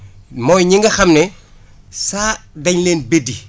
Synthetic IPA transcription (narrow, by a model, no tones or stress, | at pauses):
mɔjɲiŋɡɐxɐmnɛ | saːdɐɲleːnbedi